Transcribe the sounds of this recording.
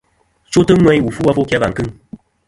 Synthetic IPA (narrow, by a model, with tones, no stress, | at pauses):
t͡ʃo˦tə˦ŋwɛ˦jwu˨fu˦wa˦fo˦kja˦va̰˨ŋ˨kɨ˦ŋ